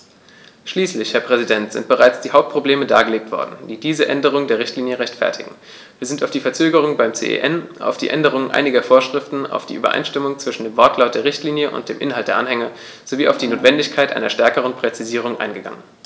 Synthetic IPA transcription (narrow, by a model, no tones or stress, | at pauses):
ʃliːslɪçhɛːɐpʁ̥ɛzidɛntz̥ɪ̰nt̚b̥əʁaɪt͡sd̥iːhaʊp̚t̚pʁ̥obleːməda̰ːɡəleːk̚tv̥ɔ̰ɐdn̩d̥iːdiːzəʔɛndəʁ̞ʊŋdeːɐʁɪçtliːnjəʁɛçtfɛ̰ɐtʰɪ̰ɡŋ̩ | viːɐzɪntaʊfd̥iːfɛɐt͡søːɡəʁ̞ʊŋbaɪmt͡sḛːʔḛːʔɛnʔa̰ʊfd̥ḭːʔɛ̰ndəʁ̞ʊŋənʔa̰ɪnɪɡɐfoːɐʃʁ̥ɪftn̩a̰ʊfd̥iːʔyːbɐ̰ʔa̰ɪnʃtɪmʊŋt͡sv̥ɪʃn̩deːmvɔɐtlaʊt̚d̥eːɐʁɪçtʰliːnjəʔʊ̰ntd̥eːmʔɪnɦaltd̥eːɐʔanhɛŋɐ | z̥oviːʔa̰ʊfd̥iːnoːtv̥ɛndɪçkʰaɪtʔa̰ɪnɐʃtɛɐkəʁ̞ənpʁ̥ɛt͡siziːʁʊŋʔa̰ɪnɡəɡa̰ŋən